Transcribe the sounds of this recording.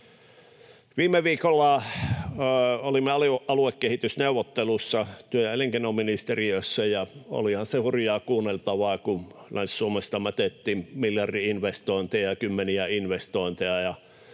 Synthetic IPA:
ʋiːmeʋiːkolːɑ | olimːeɑliɑluekːehit̪ysneuʋˑot̪ːelusːɑt̪yøjæeliŋkenominist̪eriøsːæjɑo̰lihɑnsehurjɑːkuːnːelt̪ɑʋɑːkulænssuomest̪ɑmæt̪et̪ːiːmmiljɑrdiinʋest̪oˑint̪ejɑkymːeniæinʋest̪oint̪eɑjɑ

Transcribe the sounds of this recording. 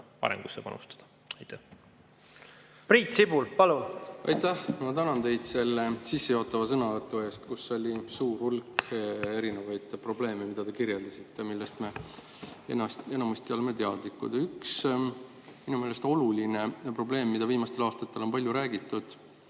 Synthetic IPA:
pɑ̰ɾḛmɡ̥usːepɑ̰nṵst̪ɑ̥d̪̥ɑ̥ | ɑjt̪ːæ | priːt̪sibulpɑlunɑ̰jt̪æhmɑt̪ænɑnt̪e̞jd̪̥se̞lːe̞sisːe̞jo̞ːt̪ːˑɑvɑsɤnɑvɤt̪ːˑue̞ːst̪kusːo̞lʲisuːrhulke̞ɾinevɑjd̪̥pro̞ble̞ːmemid̪̥ɑd̪e̞kiɾjeld̪̥ɑsit̪ːe̞milːest̪me̞ | ḛnɑst̪e̞nɑmust̪iɑlme̞t̪eɑd̪̥likːˑṵd̪̥yks | minumeːle̞st̪o̞luline̞pro̞ble̞ːmːid̪ɑviːmɑst̪e̞lɑːst̪ɑt̪ːe̞lo̞npɑlʲjuɾæːɡit̪ˑːud̪̥

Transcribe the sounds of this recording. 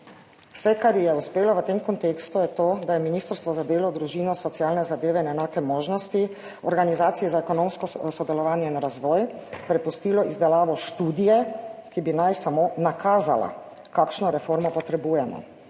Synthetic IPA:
wsɛkaɾjɛuspeːlɔʋət̪emkɔnt̪eːkst̪ujɛt̪oːd̪ajɛminiːst̪əɾst̪ʋɔzad̪eːlɔd̪ɾuʒiːnɔsɔt̪sijaːlnɛzad̪eːʋɛinɛnaːkɛmoːʒnɔst̪i | ɔɾɡanizaːt̪sijɛzaɛkɔnõmskɔsɔd̪ɛlɔʋaːnjɛinɾazʋɔːjpɾɛpust̪iːlɔizd̪ɛlaːʋɔʃt̪uːd̪ijɛkibinajsamonakʰaːzala̰ | kakʃnɔɾɛfoɾmɔpɔt̪ɾɛbuːjɛmɔ̰

